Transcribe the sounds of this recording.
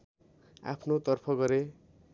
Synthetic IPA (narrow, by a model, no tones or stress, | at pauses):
a̰pʰnot̪ʌrpʰʌɡʌɾe